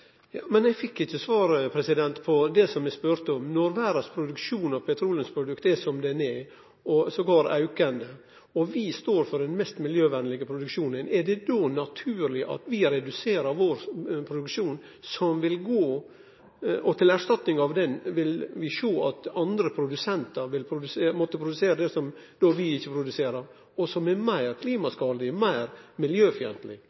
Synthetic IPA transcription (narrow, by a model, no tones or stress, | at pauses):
jɑːmɛnɛɡfɪkːɪçːəsʋɑːɾpʰɾɛsɪd̪ɛnt̪pʰɔd̪ɛsɔmɛspøɾt̪əɔmnɔɾʋæːɾɑspʰɾʊd̪ʉkʂuːnɑʋpʰɛt̪ʰɾuːlənspʰɾʊd̪ʉkt̪ɛsɔmd̪ɛnɛ | ɔsɔɡɑɾɑ̰ʉkənd̪ə | ɔʋɪst̪oːɾfɔɾdɛnmɛst̪mɪljøːʋɛnlɪɡəpʰɾʊd̪ʉkʃuːnənɛɖɛd̪onɑt̪ʰʉːɾlɪʔɑ̰t̪ʋɪɾɛd̪ʉseːɾəɾʋoɾpʰɾʊd̪ʉkʂuːn | sɔmʋɪlɡoː | ʔɔt̪ʰɪlæʂt̪ɑt̪nɪŋɑʋd̪ɛnʋɪlʋɪʂoːɑt̪ɑnd̪ɾəpʰɾʊd̪ʉsɛnt̪əɾʋɪlpʰɾʊd̪ʉseːmɔt̪ːəpʰɾʊd̪ʉseːɾəd̪ɛsɔmd̪oʋɪɪçːəpʰɾʊd̪ʉseːɾəɾ | ɔsɔmɛɾmæɪɾkʰliːmɑskɑːlɪmæɪɾmɪljøːfʏɛ̰nt̪lɪ̰